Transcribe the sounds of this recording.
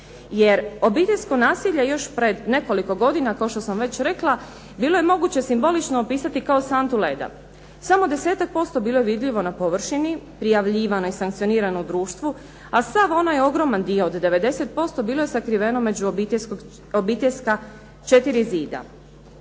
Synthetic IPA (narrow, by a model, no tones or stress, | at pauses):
jeɾo̞biːt̪e̞ʎʲsko̞naːsiʎejo̞ʃpɾe̞d̪ne̞ko̞liko̞ɡo̞d̪inakaoʃt̪o̞samʋe̞t͡ɕɾe̞klˠa | biːlˠo̞je̞mo̞ɡut͡ɕesimbo̞lit͡ʃnoːpiːsat̪ikaosant̪uled̪a̰ | samo̞d̪e̞seːt̪ak̚po̞st̪o̞biːlˠo̞jeʋid̪ʎiʋo̞napo̞ʋr̩ʃinipɾijaʋʎiːʋano̞isaŋkt̪io̞niːɾanoud̪ɾuːʃt̪ʋu | asaʋo̞najo̞ɡɾo̞mand̪io̞ːd̪ːe̞ʋe̞d̪e̞se̞t̪̚po̞st̪o̞biːlˠojesakɾiʋe̞no̞me̞d͡ʑut̪skoɡ | obiːt̪eʎʲska | t͡ʃe̞t̪iɾiziːd̪a̰